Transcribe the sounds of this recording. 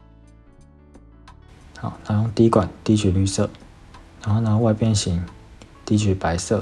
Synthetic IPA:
xa˨˩˦ʊna˧˥˦jʊ˥˧ŋt̪i˧˥˦kwa˨˩nt̪i˥˩t͡ɕʰy˨˩ly˥˧sɤ˥˩˨ | na˧˥nxo˥˩ʊna˧˥˧wa˥˧ɪpjɛ˥˧nɕi˧˥˦ŋt̪i˥˩t͡ɕʰy˨˩pa˧˦ɪsɤ˥˩

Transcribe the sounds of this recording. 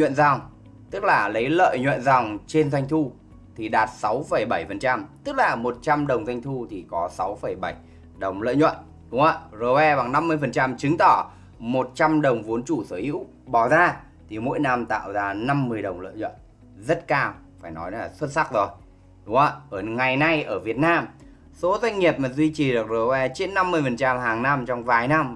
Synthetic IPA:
ɲwḭ˧˨nza˨˩wŋ͡m | t̪ɨ˦˥k̚laː˨˩lə˨˦jlə̰ː˧˨jɲwə̰˧˨nza˨˩wŋ͡mt͡ɕe˧nza˧ŋ̟t̪ʰu˧ | t̪ʰi˨˩ɗaː˨˩t̚sa˨˦wfə˧˩jɓə˧˩jfə˨˩nt͡ɕa˧mt̪ɨ˦˥k̚laː˨˩mo˨˩t̚t͡ɕa˧mɗə˨˩wŋ͡mza˧jŋ̟t̪ʰu˧t̪ʰi˨˩kɔ˨˦sa˨˦wfə˧˩jɓa˧˩j | ɗə˨˩wŋ͡mlə̰ː˧˨jɲwə̰˧˨n | ɗʊ˨˦ŋ͡ma̰ː˧˩zəː˨˩jwɛ˧ɓa˨˩ŋna˧mːɨ˧əjfə˨˩nt͡ɕa˧mt͡ɕɨ˨˦ŋt̪ɔ˧˩ | mo˨˩t̚t͡ɕa˧mɗə˨˩wŋ͡mvu˨˦ənt͡ɕu˧˩səː˧˩jhḭ˧˥w | ɓɔ˨˩zaː˧ | t̪ʰi˨˩mo̰˧˥jna˧mt̪a̰ː˧˨wzaː˧na˧mːɨ˧əjɗə˨˩wŋ͡mlə̰ː˧˨ɲwə̰˧˨n | zə˦˥t̚kaː˧w | faː˧˩jnɔ̰˨˦jlaː˨˩swə˦˥t̚sa˦˥k̚zo˨˩j | ɗʊ˨˦ŋ͡maː˧ʔəː˧˩ŋa˨˩jna˧jʔəː˧˩vi˨˩ət̚naː˧m | so˨˦zwa˧jŋ̟ŋi˨˩əp̚maː˨˩zwi˧t͡ɕi˨˩ɗɨ˨˩ək̚zəː˨˩wɛ˧t͡ɕe˧˥nːa˧mːɨ˧əjfə˨˩nt͡ɕa˧mɦaː˨˩ŋna˧mt͡ɕɔ˧wŋ͡mvaː˨˩jna˧m

